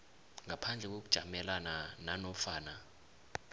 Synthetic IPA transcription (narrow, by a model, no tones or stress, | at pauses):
ŋapʰand͡ɮʱɛk̬ok̬ud̥ʒ̥ʱamɛlanananɔfaːna